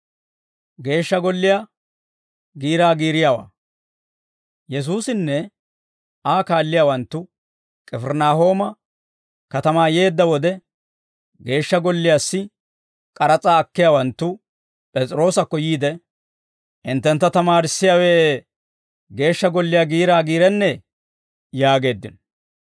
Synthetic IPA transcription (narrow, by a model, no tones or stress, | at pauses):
ɡe̞ːʃːɐɡɔlːɪjaː | ɡiːɾaːɡiːɾɪjawa̰ː | jɛs̬uːsɪnːɛ | aːkaːlːɪjaːwɐnt̪ːʊ | kʼɛfɛɾnaːɦo̞ːmɐ | kɐt̪ɐmaːje̞ːd̪ːɐwɔd̪ɛ | ɡe̞ːʃːɐɡɔlːɪjaːsːɪ | kʼɐɾɐt͡sʼaːɐkːɪjawɐnt̪ːʊ | pʼɛt͡sʼɾo̞ːsɐkːɔjiːd̪ɛ | ʔɪnt̪ːɛnt̪ːɐt̪ɐmaːɾɪsːɪjaːweː | ɡe̞ːʃːɐɡɔlːɪjaːɡiːɾaːɡiːɾɛnːɛ | jaːɡe̞ːd̪ːɪn